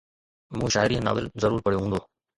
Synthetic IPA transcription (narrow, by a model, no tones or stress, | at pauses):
mũːʃaːɪɾĩːna̰ːʋɪlzəɾuːɾpəɽijoɦũːnd̪oː